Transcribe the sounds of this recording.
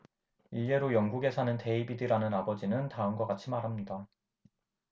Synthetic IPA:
iʎje̞ɾojʌŋɡuɡe̞sʰanɯnte̞ibidiɾanɯnabʌd͡ʑinɯntaɯnɡʌk͈at͡ɕʰimaɾɦamɲida

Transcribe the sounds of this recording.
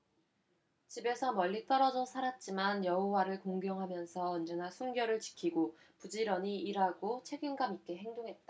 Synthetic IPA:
t͡ɕibe̞sʰʌmʌɭʎːit͈ʌɾʌd͡ʑomsʰaɾat̚t͡ɕ͈imanjʌɦowaɾɯɭkoŋɡjʌŋɦamjʌnsʰʌʌnd͡ʑʌnasʰunɡjʌɾɯɭt͡ɕi̥kʰiɡo | pud͡ʑiɾʌɲiiɾaɡot͡ɕʰe̞ɡinɡamik͈e̞ɦe̞ŋdoŋɦe̞t̚t͈a

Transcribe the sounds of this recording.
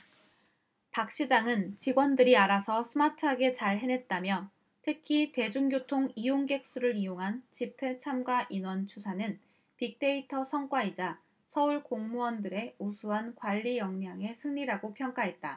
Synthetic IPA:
pak̚ɕ͈id͡ʑaŋɯnt͡ɕiɡwʌndɯɾiaɾasʰʌsʰɯmatʰɯɦaɡe̞t͡ɕaɭɦe̞ne̞t̚t͈amjʌ | tʰɯkʰite̞d͡ʑuŋɡjotʰoŋijoŋɡe̞k̚s͈uɾɯɾijoŋɦant͡ɕipʰe̞t͡ɕʰamɡwaʔinwʌnt͡ɕʰusʰanɯn | pik̚t͈e̞itʰʌsʰʌŋk͈waid͡ʑa | sʰʌuɭkoŋmuwʌndɯɾe̞usʰuɦankwaʎːijʌŋɲaŋe̞sʰɯŋʎiɾaɡopʰjʌŋk͈aɦe̞t̚t͈a

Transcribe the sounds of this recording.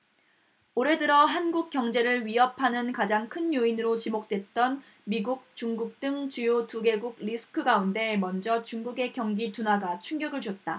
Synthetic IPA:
oɾe̞dɯɾʌɦanɡuk͈̚jʌŋd͡ʑe̞ɾɯɭɥiɦʌpʰanɯnkad͡ʑaŋkʰɯnjoinɯɾot͡ɕimok̚t͈we̞t̚t͈ʌn | miɡuk̚t͡ɕuŋɡuk̚t͈ɯŋt͡ɕujotuɡe̞ɡuɡ̚ɾisʰɯ̥kʰɯɡaunde̞mʌnd͡ʑʌt͡ɕuŋɡuɡe̞kjʌŋɡitunaɡat͡ɕʰuŋɡjʌɡɯɭt͡ɕot̚t͈a

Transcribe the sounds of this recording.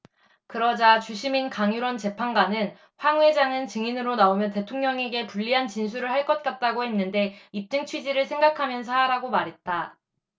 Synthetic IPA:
kɯɾʌd͡ʑat͡ɕuɕʰiminkaŋjuɾwʌnt͡ɕe̞pʰanɡanɯn | ɸwaŋwe̞d͡ʑaŋɯnt͡ɕɯŋinɯɾonaomjʌnte̞tʰoŋɲʌŋe̞ɡe̞puʎːiɦant͡ɕins̬ʰuɾɯɭɦaɭk͈ʌt̚k͈at̚t͈aɡohe̞nːɯnde̞ip̚t͡ɕ͈ɯŋt͡ɕʰwid͡ʑiɾɯɭsʰe̞ŋɡakʰamjʌns̬ʰaɾaɡomaɾɦe̞t̚t͈a

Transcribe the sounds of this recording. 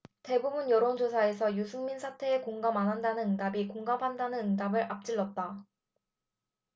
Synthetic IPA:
te̞bubunjʌɾond͡ʑosʰae̞sʰʌjusʰuŋminsʰatʰe̞ekoŋɡamanɦandanɯnɯŋdabikoŋɡapʰandanɯnɯŋdabɯɾʔap̚t͡ɕ͈iɭːʌt̚t͈a

